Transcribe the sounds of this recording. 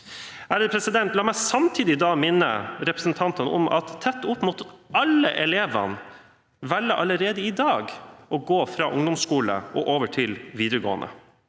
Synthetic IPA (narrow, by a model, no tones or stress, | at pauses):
æːɾəpʰɾɛsɪd̪ɛnt̪lɑːmæɪsɑmt̪ʰiːd̪ɪd̪ɑːmɪnːə̰ɾɛpɾəsn̩t̪ʰɑnt̪ənɔ̰mʔɑ̰t̪ʰːɛt̪ːʊpːmʊt̪ɑlːəʔɛleːʋɑ̰n | ʋæɭːəʔɑləɾeːd̪əɪd̪ɑːɡɔɡoːfɾɑ̰ːʔʊŋd̪ʊmskuːlə̰ʔɔʔoːʋəʈʰɪlʋiːd̪əɾəɡo̰ːənə̰